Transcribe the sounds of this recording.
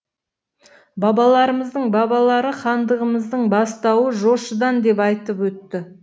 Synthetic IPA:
bɑbɑlˠɑɾəməzd̪əɴbɑbɑlˠɑɾəχɑnd̪əʁəməzd̪əɴbɑst̪ɑwəʒo̞ʃəd̪ɑnd̪e̞pɑjt̪əpwɵt̪ːɪ

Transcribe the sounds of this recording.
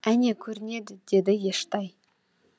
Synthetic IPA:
æne̞kʲʰɵɾɪne̞d̪ɪd̪̥e̞d̪ɪje̞ʃt̪ɑj

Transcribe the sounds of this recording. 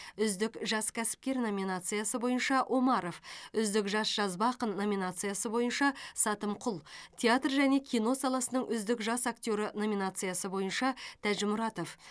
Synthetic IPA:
ʏzd̪ɪkʒɑskʲʰæsɪ̥p̚kʲe̞ɾno̞mʲinat̪sɨjasəbo̞jənʃɑʔo̞mɑɾo̞fʏzd̪ɪkʒɑsʒ̥ɑzbɑqənːo̞mʲinat̪sɨjasəbo̞jənʃɑsɑt̪əmqʰʊlˠt̪ʲʰeat̪rʒæne̞kʲʰijno̞sɑlˠɑsənəɴʔʏzd̪ɪkʒɑsak̚t̪ʲo̞ɾɪno̞mʲinat̪sɨjasəbo̞jənʃɑt̪ʰæʒɪmʊɾɑt̪o̞f

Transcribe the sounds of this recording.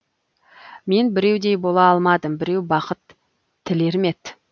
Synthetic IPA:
me̞nbɪɾe̞wd̪e̞jbo̞lˠɑɑlˠmɑd̪əmbɪɾe̞wbɑqət̪ʰː | ɪle̞ɾme̞t̪

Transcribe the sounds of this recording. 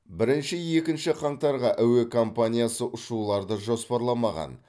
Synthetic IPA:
bɪɾɪnʃɪje̞kʲɪnʃɪqʰɑɴt̪ɑɾʁɑʔæwekʰo̞mpanʲijasəʔʊʃulˠɑɾd̪əʒo̞spɑɾlˠɑmɑʁɑ̰n

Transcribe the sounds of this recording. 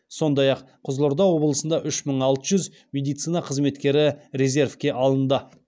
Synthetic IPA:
so̞nd̪ɑjɑq | qʰʊzlˠʊɾd̪ɑwo̞blˠəsənd̪ɑʔʏʃməɴɑlˠt̪əʒʏz | mʲe̞d̪ijt̪sijnɑqʰəzme̞t̪kʲe̞ɾɪɾe̞zʲe̞ɾfkʲe̞ʔɑlˠənd̪ə

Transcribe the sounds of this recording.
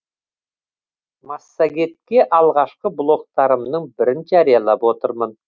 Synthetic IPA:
mɑsːaɡʲe̞t̪̚kʲe̞ʔɑlˠʁɑʃqəblˠo̞k̚t̪ɑɾəmnəɴbɪɾɪnʒæɾijɑlˠɑpwo̞t̪əɾmən

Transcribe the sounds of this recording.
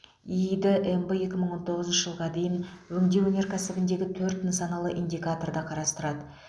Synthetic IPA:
id̪ɪʔembəje̞kʲɪməɴwo̞nt̪ʰo̞ʁəznʃəʒəlˠʁɑd̪e̞jɪnwɵŋd̪ewɵneɾkʲʰæsɪbɪnd̪e̞ɡʲɪt̪ʰɵɾt̪ːɪnsɑnɑlˠə̰ʔind̪ijkat̪o̞rd̪ɑqʰɑɾɑst̪əɾɑd̪ə

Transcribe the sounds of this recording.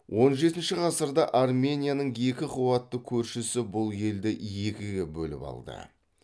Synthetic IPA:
wʔo̞nʒe̞t̪ɪnʃɪʁɑsəɾd̪ɑʔarmʲe̞nʲijanəɴje̞kʲɪqʰuwɑt̪ːəkʲʰɵɾʃɪsɪbʊlˠje̞ld̪ɪje̞kʲɪɡʲebɵlɪ̰pɑ̰lˠd̪ə̰

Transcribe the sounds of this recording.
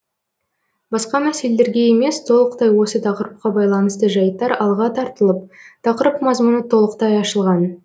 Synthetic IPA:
bɑsqɑmæse̞lele̞ɾɡʲe̞e̞me̞st̪ʰo̞lˠəq̚t̪ɑjwo̞sət̪ʰɑqəɾəp̚qɑbɑjlˠɑnəst̪əʒɑjt̪ːɑɾɑlˠʁɑt̪ʰɑɾt̪əlˠəp̚t̪ʰɑqəɾəpmɑzmunət̪ʰo̞lˠəq̚t̪ɑjɑʃəlˠʁɑn

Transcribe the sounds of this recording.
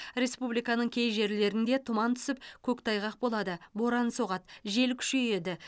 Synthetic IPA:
ɾe̞spublijkɑnəɴkʲʰe̞jʒe̞ɾle̞ɾɪnd̪e̞t̪ʰʊmɑnt̪ʰʏ̥sɪp̚kʲʰɵkt̪ʰɑjʁɑq̚bo̞lˠɑd̪əbo̞ɾɑnsoʁɑt̪ʒe̞lkʲʰʏ̥ʃe̞je̞d̪ɪ

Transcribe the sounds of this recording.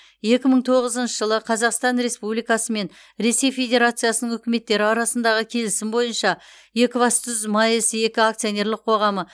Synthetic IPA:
je̞kʲɪməɴt̪ʰo̞ʁəzənʃəʒəlˠəqʰɑzɑqst̪ɑnɾe̞spublijkɑsəme̞n | ɾe̞se̞jfʲe̞d̪ʲe̞ɾat̪sɨjasənəŋʏkʲɪme̞t̪ːe̞ɾɪɑɾɑsənd̪ɑʁəkʲʰe̞lɪsɪmbo̞jənʃɑ | je̞kʲɪvɑst̪ʏzmɑjəsje̞kʲɪak̚t̪sijo̞ne̞ɾlˠəqʰo̞ʁɑmə

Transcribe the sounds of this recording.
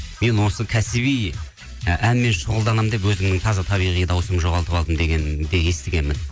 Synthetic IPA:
me̞nwo̞səkʲʰæsɪβij | ʔænme̞nʃʊʁəlˠd̪ɑnəmd̪e̞p̬wɵzɪmnɪŋt̪ʰɑzɑt̪ʰɑβijʁijəd̪ɑwsəmʒo̞ʁɑlˠt̪əpɑlˠd̪əmd̪e̞ɡʲend̪e̞je̞st̪ɪɡʲe̞nmɪn

